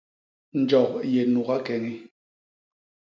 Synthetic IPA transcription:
n̩˨d͡ʒɔ˨k̚je˨nu˨ka˦kɛ˨ŋi˦

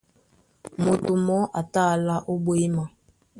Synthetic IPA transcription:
mo˨tu˨mɔ˦ʔa˨ta˦˨la˦ʔo˦bo˦i˦ma˨

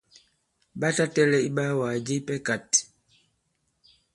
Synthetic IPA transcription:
ɓa˦ta˦tɛ˦lɛ˦i˦ɓa˦wa˨d͡ʒi˦pɛ˦ka˨t

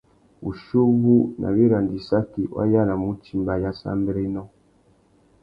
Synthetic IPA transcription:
u˨ʃu˦bu˦nʔa̰˨βi˦ɾa˨ndi˨sa˦ki˨wa̰˦ja˦la˨mu˦ti˨mba˨ja˦sa̰˦mbɛ˦ɾɛ˦nɔ˦

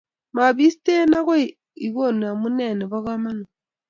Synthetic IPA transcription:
ma˨βi˦ste˦na˦ko˦ | i˨ɣo˦˨nu˨a˨mu˦ne˦˨ne˨βa˦ɣa˦ma˦no˨

